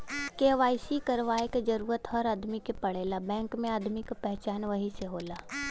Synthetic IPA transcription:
keːʋaːɪsikɐɾʋaːeked͡ʒɐɾuːɾət̪ɦɔɾaːd̪mikepɐɽ̤eːlabɛ̃ːŋkmẽaːd̪mikapɛɦt͡ʃaːnʋɐɦiseɦoːlaː

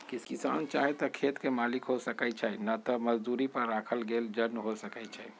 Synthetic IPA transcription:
kiskisa̰nt͡ʃaɦɛt̪ɔkʰet̪kemaːlikɦosəkɛt͡ʃʰɛnat̪ɔməd͡ʒd̪uɾipəɾːaːkʰəlɡeːld͡ʒəɾmɦosəkɛt͡ʃʰɛ

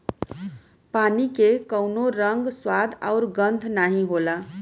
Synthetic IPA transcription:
panikekəʊnoɾəŋɡswad̪ʱa̰ʊɾɡənd̪ʱnaɦĩɦola

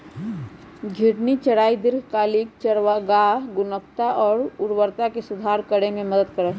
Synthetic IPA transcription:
ɡʱɪɽnit͡ʃəɽaːid̪ɪɾɡkaːlik̚t͡ʃəɾʋaɡaːɦɡʊnək̚t̪aʔɔːɾʊɾwəɾt̪akesʊd̪ʱaːɾkəɽemẽməd̪əd̪̚kəɾət̪

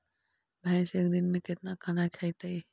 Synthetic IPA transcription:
bʱɛ̃ːseːk̚d̪ɪnmẽkɪt̪̚nakʰanakʰɐit̪aiː

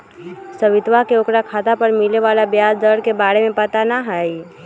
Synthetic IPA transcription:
səʋɪt̪ʋakeokɾakʰat̪apəɾmileʋalabjasd̪əɽkebaɾemẽpət̪anaɦəi

